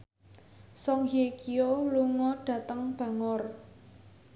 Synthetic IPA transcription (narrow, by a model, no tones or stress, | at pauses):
sɔŋhiekioluŋɔɖ̥ä̤t̪əŋb̥a̤ŋɔr